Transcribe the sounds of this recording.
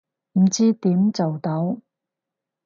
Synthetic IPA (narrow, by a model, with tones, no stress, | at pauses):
m̩˨˩t͡siː˥t̪iː˨˥mt͡sɐ˨wt̪ɐ˨˥w